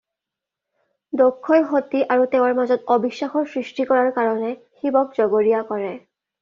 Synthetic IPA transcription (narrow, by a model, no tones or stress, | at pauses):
dokʰːɔjxotiʔaɹutew̃aɹmazɔtɔbiʃːaxɔɹsɹistikɔɹaɹkaɹɔnɛ | xibɔk̚zɔɡoɹijakɔɹɛ